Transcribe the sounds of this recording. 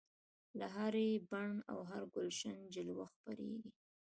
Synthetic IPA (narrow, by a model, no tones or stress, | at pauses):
laɦaɾebaɳa̰wɦaɾɡʊlʃand͡ʒɪlwaxpaɾḛɡi